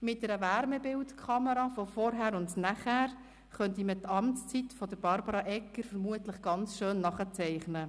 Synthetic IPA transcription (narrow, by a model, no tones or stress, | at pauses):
mɪt̚dɛɾəʋæɾmɛbɪltkʰχɑməɾɑfɔfɔɾɦæːɾʊndnæχæːɾ | χœntimətɑmt͡st͡sitfɔd̥əɾb̥ɑɾbɑɾɑʔɛkːəɾfəɾmuətləχɡ̥ɑnt͡sʃøːnːɑχət͡sɛɪχnə